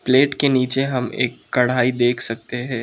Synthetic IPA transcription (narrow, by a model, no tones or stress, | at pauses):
pleːʈkeniːt͡ʃeɦɐmḛːkːɐɽ̤aːid̪eːkʰsɐk̚t̪eɦɛ̃ː